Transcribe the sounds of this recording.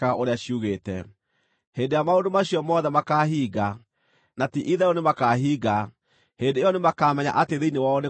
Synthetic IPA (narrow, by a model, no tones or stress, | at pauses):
aoɾeaɕiuɣeːtɛ | heːndejamaondomaɕijɔmɔðɛmakaːɦiːɣa | natiʔiðɛjɔnemakaːɦiːɣa | heːndeejɔnemakaːmɛɲa̰ʔateðeinewaɔne